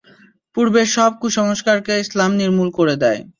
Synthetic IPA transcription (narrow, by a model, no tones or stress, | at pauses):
puɾbeʃɔb̚kuʃɔŋoʃkaɾkeislamniɾmulkoɾed̪ɛe